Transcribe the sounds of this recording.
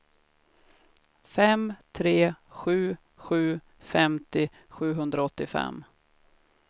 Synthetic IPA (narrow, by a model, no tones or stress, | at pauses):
fɛmt̪ʰɾeːɧʉ̟ː | ɧʉ̟ː | fɛmt̪ɪ | ɧʉ̟ːɦɵnd̪ɾaɔt̪ːɪfɛ̰mː